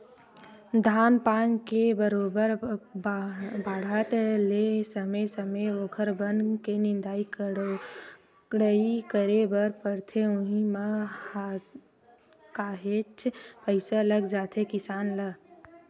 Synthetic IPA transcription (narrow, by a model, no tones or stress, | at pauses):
d̪ʱaːnpaːnkebəɾoːbəɾ | baːɽ̤ət̪lesəməjsəməjoːkʰəɾbənkenɪ̃nd̪aːik | ɽəikəɾebəɾpəɾt̪ʰeʊ̃ɦiməa | kaːɦet͡ʃpəɪsaləɡd͡ʒaːt̪ʰekɪsaːnlə